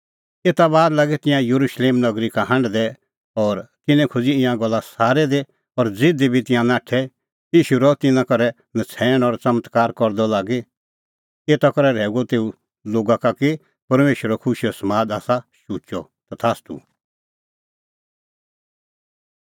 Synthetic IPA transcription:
eːt̪abaːd̪laːɡet̪ɪ̃jãjɐɾuʃleːmnɐɡɾikaɦɐ̃ɳɖd̪ɛ | ɔːɾt̪ɪnɛ̃kʰʊd͡ziɪ̃jãɡɔlːasaːɾɛd̪e | ɔɾd͡zɪd̪ebʱit̪ɪ̃jãnaːʈʰɛ | iːʃuɾɔt̪ɪnãkɔɾɛ | nɐt͡sʰɛːɽ̃ɔɾt͡sɐmət̪kaːɾkɔɾd̪ɔlaːɡe | eːt̪akɔɾɛɾɛːuɡɔt̪eːu | loːɡakaki | pɐɾmeːʃwəɾɔkʰʊʃijɔsɐmaːd̪aːsaʃuːt͡ʃɔ̰ | t̪at̪ʰaːst̪ṵ

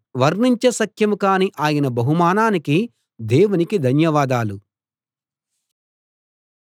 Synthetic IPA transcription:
ʋɐɾniɲt͡ʃɐsɐkʰjɐmukaːniʔaːjɐnɐbɐɦumaːnaːniki | d̪eːʋunikid̪ʱɐnjɐʋaːd̪aːlu

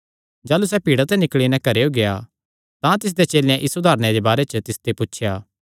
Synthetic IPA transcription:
d͡ʒaːlusɛpiːɽat̪ɛnɪkɭinɛ̃kɐɾeoɡea | t̪ãt̪ɪs̬d̪et͡ʃeːljãʔɪsʊd̪ʱaːɾned̪ebaːɾet͡ʃət̪ɪst̪epʊt͡ʃʰjaː

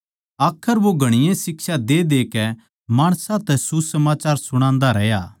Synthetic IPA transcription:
aːkʰəɾʋoɡʱɐɽ̃ɪjẽsɪksad̪eːd̪eːkɛ | maːɽ̃sãt̪ɛsusɐmaːt͡ʃaːɾsʊɽ̃ãːnd̪aɾɛjaː

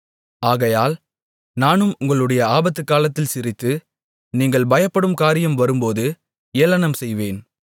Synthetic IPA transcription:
aːɣɐjaːl | naːnɯmʊŋɡɐɭɯɽɐjɐaːbɐt̪ːɯkːaːlɐt̪ːɪlsɪɾɪt̪ːɯ | niːŋɡɐɭbɐjɐpːɐɽɯmkaːɾɪjɐmʋɐɾɯmpoːðɯ | eːlɐnɐmsɛjʋeːn

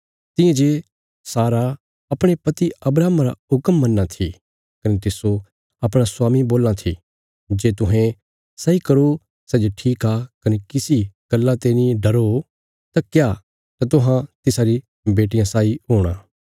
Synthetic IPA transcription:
t̪ɪ̃ẽd͡ʒeː | saːɾa | ɐpɽ̃epɐt̪iɐbɾaːmɾa̰ʊkəmːɐnːãt̪ʰḭ | kɐnet̪ɪso | ɐpɽ̃asʊwaːmiboːlãt̪ʰḭ | d͡ʒeːt̪ʊɦẽ | sɐikɐɾo | sɛːd͡ʒoʈʰiːkakɐnekɪsiɡ̥ɐlːat̪eːniɖɐɾo | t̪akja | t̪at̪ʊɦãt̪ɪsaɾi | beːʈɪjãsaːiɦoːɽ̃ãː

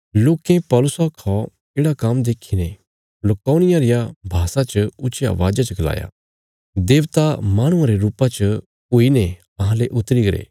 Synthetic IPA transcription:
loːkẽpɔːlʊsɔkʰɔ | eːɽakɐmd̪eːkʰine | lɐkːoːnɪjãɾɪjabʱaːsat͡ʃəʊt͡ʃɪja̰ʋa̰ːd͡ʒat͡ʃɐɡla̰ːja̰ | d̪eːʋt̪amaːɽ̃ʊ̃ãɾeɾuːpãt͡ʃə | uine | ɐɦãleʔʊt̪ːɾiɡɐɾḛː

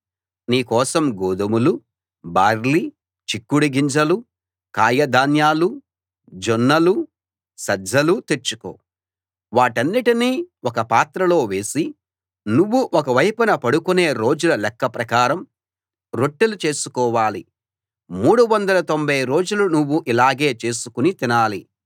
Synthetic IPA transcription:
niːkɔːsɐmɡoːd̪ɐmulu | baːɾli | t͡ʃikːuɽiɡiɲd͡ʒɐlu | kaːjɐd̪aːnjaːlu | d͡ʒonːɐlu | sɐd͡ʒɐlut̪eɾt͡ʃu̥ko̰ː | ʋaːʈɐnːiʈiniːɔkɐpaːt̪ɾɐlo̞ːʋe̞ːsi | nuʋːuʔɔkɐʋɐjpɐnɐpɐɽukune̞ːɾo̞ːd͡ʒulɐlɛkːɐpɾɐkaːɾɐm | ɾoʈːelut͡ʃe̞ːsu̥kɔːʋaːli | muːɽuʋɐnd̪ɐlɐt̪o̞mbʱɐjɾo̞ːd͡ʒulunuʋːuʔilaːɡeːt͡ʃe̞ːsu̥kunit̪inaːli

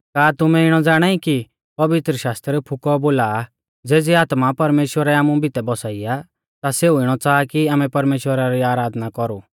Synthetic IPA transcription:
kaːt̪ʊmɛ̃ɪɽ̃ɔd͡zaːɽ̃aiki | pɐʋɪt̪ɾəʃaːst̪ɾəɾɛpʰʊkɔboːla | d͡zeːd͡ziaːt̪mapɐɾmeːʃwəɾɛaːmũbʱɪt̪ɛbɔsaːɪja | t̪aseːuɪɽ̃ɔt͡saːkiaːmɛ̃pɐɾmeːʃwəɾaɾiaːɾaːd̪ʱnakɔɾu

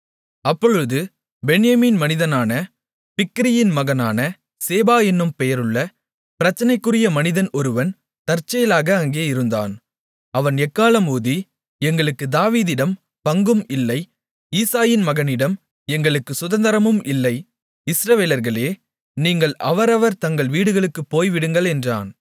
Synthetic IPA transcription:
ɐpːɔɻɯðɯ | bɛnɪjɐmiːnmɐnɪðɐnaːnɐ | pɪkːɪɾɪjɪnmɐɣɐnaːnɐ | seːbaːɛnːɯmpɛjɐɾɯɭːɐ | pɪɾɐt͡ʃːɐnɐɪkːɯrɪjɐmɐnɪðɐnɔɾɯʋɐn | t̪ɐɾt͡ʃːɐjɐlaːɣɐːŋɡeːɐɪɾɯnd̪a̰ːn | ɐʋɐnɛkːaːlɐmuːði | ɛŋɡɐɭɯkːɯd̪aːʋiːðɪɽɐm | pɐŋɡɯmɪlːɐɪ | iːsaːjɪnmɐɣɐnɪɽɐm | ɛŋɡɐɭɯkːɯsʊðɐnd̪ɐɾɐmɯmɪlːɐɪ | ɪsɾɐʋeːlɐɾɣɐɭeː | niːŋɡɐɭɐʋɐɾɐʋɐɾt̪ɐŋɡɐɭʋiːɽɯɣɐɭɯkːɯpːoːjʋɪɽɯŋɡɐɭɛndra̰ːn

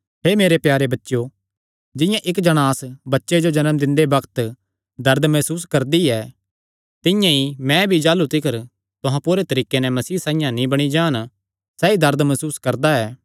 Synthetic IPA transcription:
ɦeːmeːɾepjaːɾebɐtːʃo | d͡ʒɪ̃jãʔɪkd͡ʒɐɽ̃aːsbɐtːʃed͡ʒod͡ʒɐnəmd̪ɪ̃nd̪ebɐkʰt̪ | d̪ɐɾd̪mɛːsuːskɐɾd̪iɛː | t̪ɪ̃jãimɛ̃bʱid͡ʒaːlut̪ɪkʰəɾ | t̪ʊɦãpuːɾet̪ɐɾiːkenɛmɐsiːsãːɪjãnĩbɐɽ̃id͡ʒaːn | sɛːid̪ɐɾd̪mɐsuːskɐɾd̪aɛː

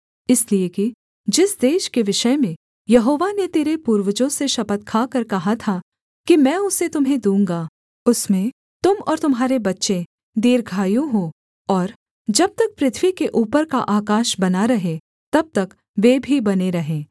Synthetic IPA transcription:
ɪslieki | d͡ʒɪsd̪eːʃkeʋɪʃəemẽ | jɐɦoːʋanet̪eːɾepuːɾʋəd͡ʒõseʃɐpət̪̚kʰaːkɐɾkɐɦat̪ʰa | kimɛ̃ːʊset̪ʊmɦẽd̪ũːŋɡaː | ʊsmẽ | t̪ʊmɔ̰ːɾt̪ʊmɦaːɾebɐtːʃẽ | d̪iːɾɡʱaːjũɦoː | ɔːɾ | d͡ʒɐb̚t̪ɐk̚pɾɪt̪ʰʋikeʔuːpəɾkaʔaːkaːʃbɐnaɾɐɦẽ | t̪ɐb̚t̪ɐk | ʋeːbʱibɐneɾɐɦẽː

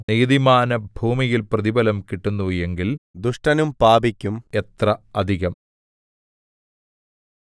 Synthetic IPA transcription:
nijðimaːnɐbʱuːmijilprɐðibɐlɐmkiʈːunːuːjeŋɡild̪uʂʈɐnumpaːbikʲːumet̪rɐɐd̪ʱiɣɐm

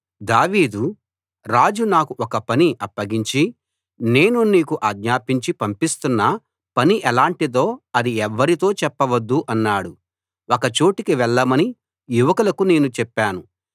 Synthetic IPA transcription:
d̪aːʋiːd̪u | ɾaːd͡ʒunaːkuʔɔkɐpɐniʔɐpːɐɡiɲt͡ʃi | ne̞ːnuniːkuʔaːɡɲaːpiɲt͡ʃipɐmpist̪unːɐ | pɐniʔɛlaːɳʈid̪o̞ːɐd̪iɛʋːɐɾit̪o̞ːt͡ʃɛpːɐʋɐd̪ːuʔɐnːaːɽu | ɔkɐt͡ʃoːʈikiʋɛɭːɐmɐni | juʋɐkulɐkune̞ːnut͡ʃɛpːaːnu

